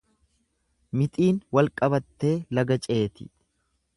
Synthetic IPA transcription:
mɪt̪ʼiːnwɐlkʼɐbɐt̪ːe̞ːlɐɡɐt͡ʃʼe̞ːt̪ɪ̰

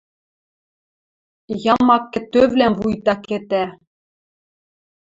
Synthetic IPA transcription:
jɑmɑkːɘ̆t̪øβlæmvujt̪ɑket̪æ

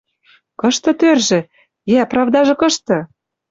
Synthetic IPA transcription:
kɤ̆ʃt̪ɤ̆t̪ørʒɘ̆ | jæprɑvd̪ɑʒɤ̆kɤ̆ʃt̪ɤ̆

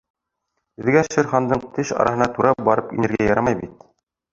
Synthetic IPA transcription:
ɘ̆ðɡæʃɘ̆ɾχɑnd̪ɤɴt̪ɘʃɑ̰ɾʔɑɦɤ̆nɑt̪uɾɑbɑɾɤpḭnɘ̆ɾɡæjɑɾɑmɑjbit̪

